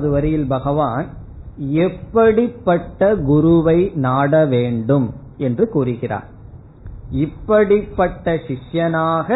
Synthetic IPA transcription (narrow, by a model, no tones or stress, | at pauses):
ðɯʋɐɾɐjɪlbɐɣɐʋaːn | ɛpːɐɽɪpːɐʈːɐɡʊɾʊʋɐɪnaːɽɐʋeːɳɖɯm | ɛndrɯkuːrɯɣɪra̰ːɾ | ɪpːɐɽɪpːɐʈːɐʃɪʂjɐnaːɣɐ